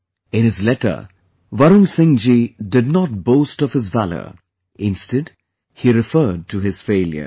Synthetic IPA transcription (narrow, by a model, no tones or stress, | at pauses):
ɪ̃nɪzlɛʈə̰ | ʋaɾũnsɪ̃ŋd͡ʒidɪdnɔt̚boːstɔv̥hɪzvælə̰ | ɪ̃nstəd | hiɾɪfəːd̚ʈʰuɦɪz̥feːljə̰